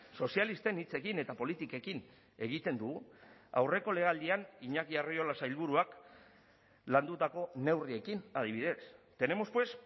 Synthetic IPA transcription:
so̞sialist̪e̞nit͡se̞kine̞t̪apo̞lit̪ike̞kin | e̞ɣ̞it̪e̞nd̪uɣua̰wre̞ko̞le̞ɣald̪ianiɲakiario̞lasailβuɾuak | land̪ut̪ako̞ne̞wrie̞kinað̞iβ̞iðe̞st̪e̞ne̞mospwe̞s

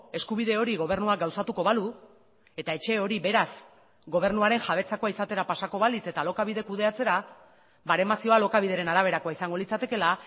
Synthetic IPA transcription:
e̞skuβ̞iðe̞o̞ɾiɣo̞β̞e̞ɾnuaɡawsat̪uko̞βalu | e̞t̪ae̞t͡ʃe̞o̞ɾiβe̞ɾas | ɡo̞β̞e̞ɾnuaɾe̞nxaβe̞t͡sako̞aisat̪e̞ɾapasako̞βalit͡se̞t̪alo̞kaβiðe̞kuðe̞at͡se̞ɾa | baɾe̞masio̞alo̞kaβið̞e̞ɾe̞naɾaβ̞e̞ɾakoaisaŋɡo̞lit͡sat̪e̞ke̞la

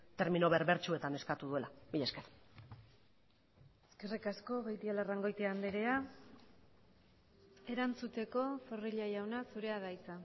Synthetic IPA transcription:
t̪e̞ɾmino̞βe̞ɾβe̞ɾt͡ʃue̞t̪ane̞skat̪uðue̞labiʎeskeɾ | eskerikasko̞ɣejt̪ialaraŋɡo̞jt̪eand̪eɾea | e̞ɾant͡sut̪e̞ko̞fo̞riʎajawnasuɾe̞að̞ajt͡sa

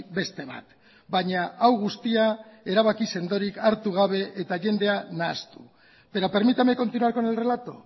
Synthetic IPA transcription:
be̞st̪e̞βa̰t̪ | baɲaawɣ̞ust̪iae̞ɾaβ̞akise̞nd̪o̞ɾikaɾt̪uɣ̞aβ̞e̞ʔet̪aʝe̞nd̪e̞anast̪u̥ | peɾope̞ɾmit̪ameko̞nt̪inuaɾko̞enelrelat̪o̞̰

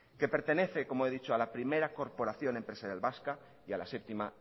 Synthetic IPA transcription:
ke̞pe̞ɾt̪e̞ne̞θe̞ko̞moeðit͡ʃoalapɾime̞ɾako̞ɾpo̞ɾaθjo̞ne̞mpɾesaðjalβaska | ialase̞p̚t̪ima

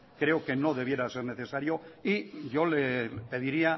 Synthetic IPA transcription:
kɾe̞o̞ke̞no̞ðe̞βje̞ɾase̞ɾne̞θesaɾjo̞iʝo̞lepe̞ðiɾia

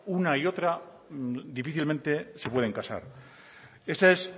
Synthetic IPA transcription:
unaio̞t̪ɾa | d̪ifiθilmẽnt̪e̞se̞pweðe̞ŋkasa̰ɾ | e̞sae̞s

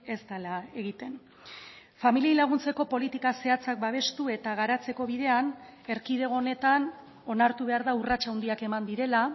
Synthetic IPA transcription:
e̞zt̪alae̞ɣit̪e̞n | familiajlaɣ̞unt͡se̞ko̞po̞lit̪ikase̞at͡sak̚baβ̞e̞st̪ue̞t̪aɣaɾat͡se̞ko̞βiðe̞ane̞ɾkið̞e̞ɣo̞ːne̞t̪an | o̞naɾt̪uβe̞aɾðaurat͡ʃawnd̪iake̞mand̪iɾe̞la

